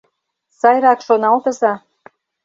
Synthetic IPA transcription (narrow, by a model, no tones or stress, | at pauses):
sɑjɾɑkʃonɑlt̪ɤ̆zɑ